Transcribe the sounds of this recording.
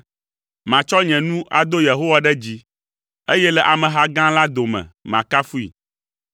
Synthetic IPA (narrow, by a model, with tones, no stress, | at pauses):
mã˨t͡ʃɔ˦ɲɛ̃˨nũ˦ʔa̰˨d̪o˦je˨ɦo˦wa˨ɖɛ˦d͡ʑi˦ | e˦jɛ˦lɛ˨ʔa˨mɛ̃˨ɦa˦ɡã˦la˦d̪o˨mɛ̰̃˨mã˨ka˦fu˦ḭ˨